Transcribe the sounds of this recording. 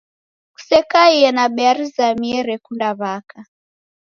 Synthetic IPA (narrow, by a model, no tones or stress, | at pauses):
ku̥sɛkaiɛnaɓɛaɾizamiɛɾɛkundaβaka